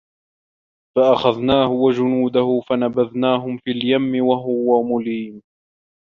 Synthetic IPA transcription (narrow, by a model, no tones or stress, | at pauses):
faʔaxaðnaːhʊwad͡ʒʊnuːd̪ahʊfanabaðnaːɦʊmfiːljamːɪwaɦʊwamʊliːn